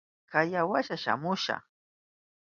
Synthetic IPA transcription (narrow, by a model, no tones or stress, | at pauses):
kajawaʃaʃa̰mʊʃa̰χ